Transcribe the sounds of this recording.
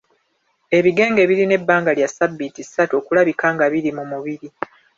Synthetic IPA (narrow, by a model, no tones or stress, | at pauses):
e̞βiɡe̞ːŋɡe̞βiɾine̞bːaːŋɡaljasabːitisːatuo̞ːkulaβikaːŋɡaβiɾimumuβiɾi